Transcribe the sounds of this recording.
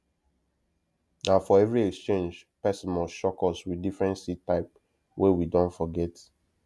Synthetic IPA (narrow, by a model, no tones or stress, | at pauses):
nãfɔɛvɹiɛkst͡ʃẽnd͡ʒpɛsɔ̃nmɔʃɔkɔswidifɹɛ̃ntsitaɪp | wʔewidɔ̃ntfɔɡɛt